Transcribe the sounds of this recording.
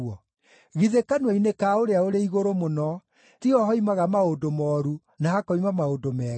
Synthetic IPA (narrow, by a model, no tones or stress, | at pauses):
ɔ | ɣiðekanwainekaoɾeaoɾeiɣoɾomonɔ | tiɔɦɔimaɣamaodomɔɾu | nahakɔimamaodomɛ